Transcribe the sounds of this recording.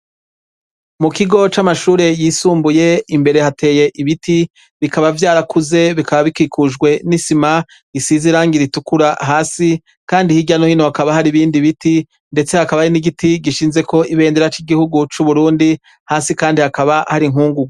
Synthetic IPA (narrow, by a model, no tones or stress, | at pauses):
mukiɡo̞t͡ʃamaʃuːɾe̞jiːsuːmbuje̞imbe̞ɾe̞hate̞ːje̞ʔiβiti | βikaβavjaːɾakuze̞βikaβaβikiːkʰuʒɡwe̞nisima | isiziɾaːŋɡiɾitukuɾaɦaːsi | kaːndihiɟano̞hinohakaβahaɾiβiːndiβiti | nde̞t͡se̞hakaβaaɾiniɡitiɡiʃiːnze̞ko̞ʔiβe̞ːndeɾat͡ʃiɡihuɡut͡ʃuβuɾuːndi | haːsikaːndihakaβahaɾiŋuːŋɡuɡ